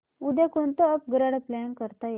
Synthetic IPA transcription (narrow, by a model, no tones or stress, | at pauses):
ud̪akont̪oəp̚ɡɾəɽplankəɾt̪aje